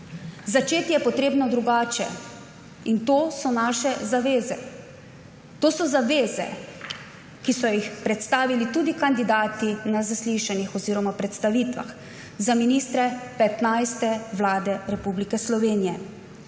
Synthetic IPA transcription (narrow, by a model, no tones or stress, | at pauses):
zat͡ʃeːt̪ijɛpɔt̪ɾeːbnɔd̪ɾuɡaːt͡ʃɛ̰ | int̪oːsɔnaːʃɛzaʋeːzɛ̰ | t̪oːsɔzaʋeːzɛ̰ | kisɔjixpɾɛt̪st̪aːʋilit̪uːd̪ikand̪id̪aːt̪inazasliʃanixɔziːɾɔmapɾɛt̪st̪aʋiːt̪ʋa̰x | zaminiːst̪ɾɛpɛt̪najst̪ɛʋlaːd̪ɛɾɛpublikɛslɔʋeːnijɛ